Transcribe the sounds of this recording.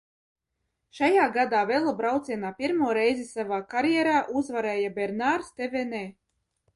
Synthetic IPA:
ʃajaːɡad̪aːvelˠabɾawt̪sʲiɛnaːpʲiɾmuɔɾɛjzisavaːkaɾjɛɾaːʔuzvaɾɛːjabʲɛɾnaɾst̪ʲevenɛː

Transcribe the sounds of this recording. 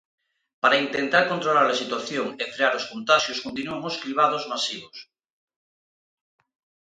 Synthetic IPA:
paɾaint̪ent̪aɾkont̪ɾolaɾlasit̪waθjoŋefɾeaɾoskont̪aʃjoskont̪̬inuaŋoskliβaðozmasiβos

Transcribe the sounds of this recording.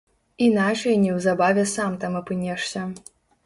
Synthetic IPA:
inat͡ʂɐjnʲɛwzabavʲɛsamt̪amɨpɨnʲɛʂsʲɐ

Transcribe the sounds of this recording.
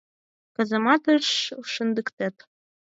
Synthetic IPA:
kɤ̆zɤ̆mɑt̪ɤʃuʃɤ̆nd̪əkt̪æt̪

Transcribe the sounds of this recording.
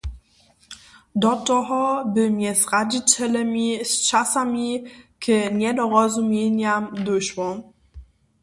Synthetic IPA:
d̪ɔtɔɦɔbɨmjɛzʁad͡ʑit͡ɕɛlɛmʲist͡ʃasamʲikɘɲɛd̪ɔɾɔzumʲjɛɲamd̪ʊɕwɔ

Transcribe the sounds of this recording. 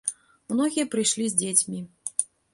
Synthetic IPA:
mnɔɣʲijɐpɾɨjʂlʲizʲd͡zʲet͡sʲmʲi

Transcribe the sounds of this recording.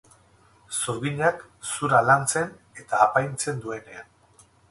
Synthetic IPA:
soɾɣiɲaksuɾalant͡se̞n | e̞t̪aːpajnt͡se̞nd̪ue̞ne̞an

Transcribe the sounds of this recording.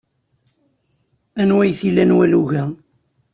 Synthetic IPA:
ænwæjθilːænwæluʝæ

